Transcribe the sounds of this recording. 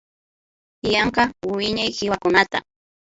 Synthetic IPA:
jɑɴqɑwwɪɲajhɪwakʊnat̪a̰

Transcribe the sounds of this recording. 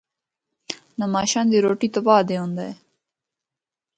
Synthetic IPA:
nɐmaːɕand̪iɾoːʈit̪ɐbaːd̪eõnd̪aj

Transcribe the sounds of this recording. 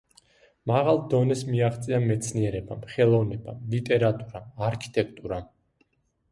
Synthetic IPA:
maʁalˠd̪ɔnɛsmiaχt̪sʼiamɛt̪sʰniɛɾɛbamχɛlˠɔvnɛbalit̪ʼɛɾat̪ʼuɾaaɾkʰi̥t̪ʼɛkʰt̪ʼuɾa

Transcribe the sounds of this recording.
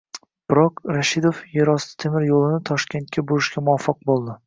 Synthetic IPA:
b̥ɾɒqɾaʃɪd̪ofjeɾɒsɪ̥t̪ʰemɪɾjolˠɪnɪt̪ʰɒʃkʲe̞nt̪̚kʲʰabʊɾɪʃkʲamʊɒfɑq̚bolˠd̪ɪ

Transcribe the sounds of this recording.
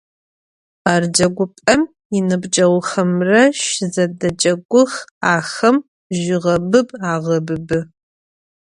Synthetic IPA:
aːrd͡ʒɐɡʷʊpʼɐm | ɪnɨbd͡ʒʼɐwxɐmrɐʃɪzɐdɐd͡ʒʼɐɡʷʊxaːxɐm | ʒɪʁɐbɨbaːʁɐbɨbɨ

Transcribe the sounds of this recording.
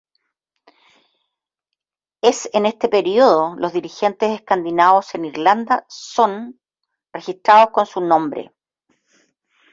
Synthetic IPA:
esenest̪epeɾioðolozðiɾixe̞nt̪eseskand̪inaoseniɾland̪aso̞n | rexist̪ɾaðosko̞nsunõ̞mbɾḛ

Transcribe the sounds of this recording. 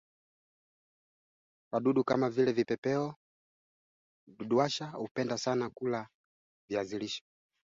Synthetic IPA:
kaɗuɗuka̰mavilɛvipɛpɛɔ | ɗuɗuaʃaupɛndasanakula | viaziliʃɔ̥

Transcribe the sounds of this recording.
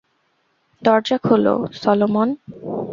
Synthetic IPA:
d̪ɔɾd͡ʑakʰolo̰sɔlomon

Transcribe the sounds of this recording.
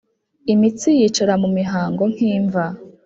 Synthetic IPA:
imit͡sijit͡ʃoɾamumiɦaːŋɡo̞ŋ̥hiːɱva

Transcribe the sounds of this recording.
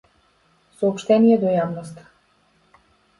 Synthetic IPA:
sɔːpʃt̪ɛnijɛd̪ɔjavnɔst̪ḁ

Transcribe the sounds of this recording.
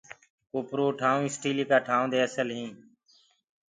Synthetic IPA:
koːpɾoːʈʰaːũɪsʈiːliːkaːʈʰaːʊ̃d̪eːəsəlɦĩː

